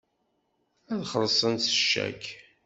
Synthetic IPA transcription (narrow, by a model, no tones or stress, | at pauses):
æðχəɾˤsˤənt̪əʃːæ̰k